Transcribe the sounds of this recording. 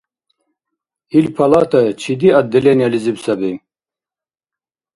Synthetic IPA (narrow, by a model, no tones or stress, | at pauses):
ilpʰalat̪ʰat͡ʃʰid̪iad̪ːɛlʲɛnializibsabi